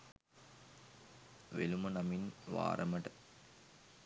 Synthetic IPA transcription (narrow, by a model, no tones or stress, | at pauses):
ʋelumɐnɐminʋa̰ːɾʔɐmɐʈə